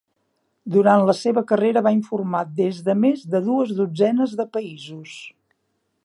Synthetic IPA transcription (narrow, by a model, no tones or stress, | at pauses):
d̪uɾant̪ləseβəkəreɾəβaiɱfurmat̪̚d̪ezðəmezðəðuəzðud͡zɛnəzðəpəizus